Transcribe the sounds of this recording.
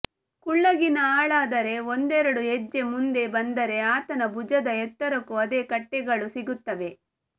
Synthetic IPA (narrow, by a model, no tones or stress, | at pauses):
kuɭːɐɡinɐaːɭaːd̪ɐɾe̞ond̪ɛɾɐɽuɦɛd͡ʒːe̞mund̪e̞bɐnd̪ɐɾe̞aːt̪ɐnɐbud͡ʒɐd̪ɐɛt̪ːɐɾɐkuɐd̪e̞ːkɐʈːɛɡɐɭusiɡut̪ːɐʋe̞